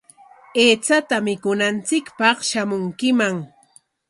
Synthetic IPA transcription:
eːt͡sat̪amɪkʊnant͡sɪkpɑχʃamʊŋkɪmaŋ

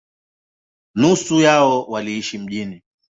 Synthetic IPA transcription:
nusujaɔwaliiʃim̩ʄini

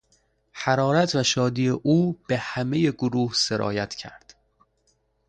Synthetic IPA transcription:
hæɾɒːɾæt̪ʰvæʃɒːd̪iːeʔuːb̥ehæme̞je̞ɡoɾuːhse̞ɾʔɒ̰ːjæt̪ʰcʰæ̰ɾd̪̥

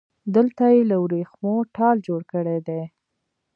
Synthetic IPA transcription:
d̪əlt̪ajeləwɾexmoʈɑld͡ʒoɽkəɽed̪e

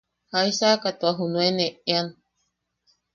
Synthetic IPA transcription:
hajsakat̪uaɦunueneean

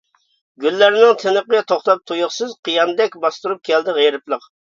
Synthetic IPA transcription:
ɡʲylːæɾnɪŋt̪ʰenəqəɛt̪ʰoχt̪ɑp̚t̪ʰujʊχsɨzqʰəjɑnd̪ɛk̚ʲbɑst̪uɾup̚kʲʰɛld̪ɪʁeɾɨplˠəq

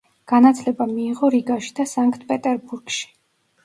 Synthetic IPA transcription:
ɡ̥anat̪ʰlɛbamiːʁɔɾiɡaʃi̥d̪asaŋkʰʼt̪ʰpʼɛt̪ʼɛɾbuɾɡ̥ʃi̥

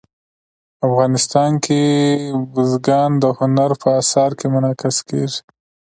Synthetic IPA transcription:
afɣɑnɪst̪ɑnkebʊzɡɑnd̪əhʊnaɾpʰəasɑɾkʰemʊnɑkɪskeʐi̥

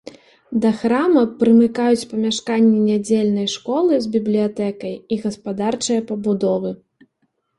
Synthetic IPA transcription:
d̪ɐxɾamɐpɾɨmɨkajut͡sʲpɐmʲaʂkanʲːɛnʲad͡zʲelʲnɐjʂkɔlˠɨzbʲiblʲijat̪ɛkɐjiɣɐspad̪art͡ʂɐjɐpɐbud̪ɔvɨ

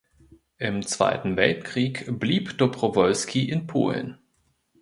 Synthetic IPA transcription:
ʔɪmt͡sv̥a̰ɪtn̩vɛltkʁ̥iːkb̥liːpd̥opʁ̥ovɔlskʰiʔɪnpʰo̰ːln

